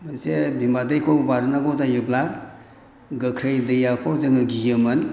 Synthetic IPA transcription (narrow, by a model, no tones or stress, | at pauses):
mənsebʱimadɯjkʰɔbaɾɯnaɡɔzajɯbla | ɡəkʰɾəjdɯjakʰɔzɯŋɯɡijɯmɯn